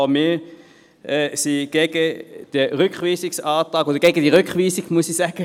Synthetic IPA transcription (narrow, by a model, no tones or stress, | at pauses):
mɪː | ʔɛsiɡ̥eɡ̥əd̪̥əʁʏkχʋiːsɪksɑːtʁɑːɡod̥əɡ̥ɛɡəd̥iʁʏkʋiːsɪɡ̥muəsisɛɡ̥ə